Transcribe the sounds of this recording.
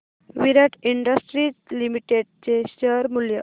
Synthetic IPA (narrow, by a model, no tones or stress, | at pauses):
ʋiɾaʈiɳɖəsʈɾit͡slimiʈeɖ̚t͡ɕeɕəɾmuljə